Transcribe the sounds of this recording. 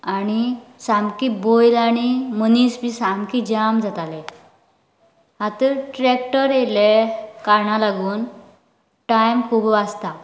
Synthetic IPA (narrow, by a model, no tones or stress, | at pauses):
aɽ̃isamkibojlaɽ̃imənisbʱisamkid͡ʑamd͡zat̪ale | ɦat̪əɾʈɾekʈəɾelekaɾɳalaɡuːn | ʈajmkʰuːbast̪a